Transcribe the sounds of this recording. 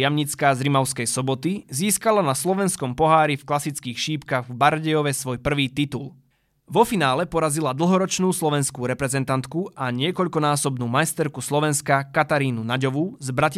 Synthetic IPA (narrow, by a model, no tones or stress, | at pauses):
amɲit͡skazɾimaʊskɛjsɔbɔt̪iziːskalanaslɔʋɛnskɔmpɔɦaːɾifklasit͡skiːxʃiːpkaɣvbaɾɟɛjɔʋɛsʋɔjpr̩ʋiːt̪it̪ul | ʋɔfinaːlɛpɔɾazilad̪l̩ˠɦɔɾɔt͡ʃnuːslɔʋɛnskuːɾɛpɾɛzɛnt̪ant̪kuʔaɲɪɛkɔʎkɔnaːsɔbnuːmajst̪ɛɾkuslɔʋɛnskakat̪aɾiːnunaɟɔʋuzbɾac